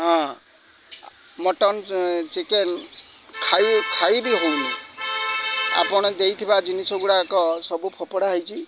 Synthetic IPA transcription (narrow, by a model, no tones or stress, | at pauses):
ɦɔ̃ | mɔʈɔnt͡ʃiken | kʰajkʰajbiɦowni | a̰pɔɽ̃ɔd̪ejt̪ʰibad͡ʒinisɔɡuɽakɔsɔbupʰɔpɔɽaɦjt͡ʃʰi